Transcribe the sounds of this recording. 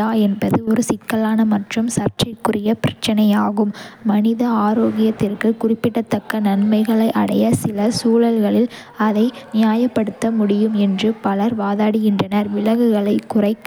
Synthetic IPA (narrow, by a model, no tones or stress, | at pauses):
aːɛnbɐðɯɔɾɯsɪt̪kɐlaːnɐmɐʈrɯmsɐrʈrɐɪkːʊrɪjɐpɪɾɐt͡ʃːɐnɐjaːɣɯmːɐnɪðɐaːɾoːɣɪjɐt̪ːɪrkɯkʊrɪpːɪʈːɐt̪ːɐkːɐnɐnmɐɪɣɐɭɐɪʔɐ̰ɽɐjɐsɪlɐsuːlɐlɣɐɭɪl | ɐðɐɪnɪjaːjɐpːɐɽɯt̪ːɐmʊɽɪjɯmɛndrɯpɐlɐɾʋaːðaːɽɪɣɪndrɐnɐɾʋɪlɐɣɯɣɐɭɐɪkːʊrɐɪkː